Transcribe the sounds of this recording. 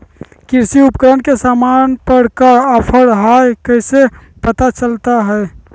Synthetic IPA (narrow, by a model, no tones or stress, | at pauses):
kiɾsiupkəɾənkesamanpəɾkəəpʰəɽɦajkəɪse | pət̪at͡ʃəlt̪aɦɛ